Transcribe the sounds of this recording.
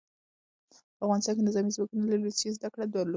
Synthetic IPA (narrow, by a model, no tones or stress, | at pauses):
pəafɣɑnɪst̪ɑnk̬enɪzɑmizwɑkunalaɾisezd̪akɽad̪waɾlo